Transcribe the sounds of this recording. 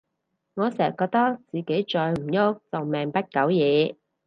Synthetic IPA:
ŋɔː˨˧sɛː˨˩kɔː˧k̚t̪ɐ˥k̚t͡siː˨ke˨˥jt͡ʃɔː˧jm̩˨˩jʊ˥k̚t͡sɐ˨wmɛː˨˩ŋpɐ˥t̚kɐ˨˥wjɛː˨˧

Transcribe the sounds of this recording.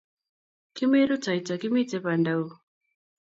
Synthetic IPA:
ki˦me˦ɾu˦t͡sa˨it͡sa˨ki˦mi˦t͡sɛ˦pa˨nda˦u˦

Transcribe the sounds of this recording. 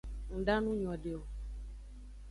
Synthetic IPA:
ŋ̩˨ɖa˦nũ˦ɲ˨ɔ̃˨ɖe˨o˨

